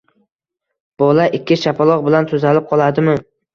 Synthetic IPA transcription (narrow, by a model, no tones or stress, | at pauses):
b̥ɒlaʔɪkʲʰːɪʃapʰalˠɒq̚bɪlant̪ʰʊzalɪp̚qʰɒlˠad̪ɪmɪ